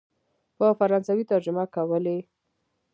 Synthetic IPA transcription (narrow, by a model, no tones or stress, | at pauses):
pəfaɾɑnsawit̪aɾd͡ʒʊmakawəle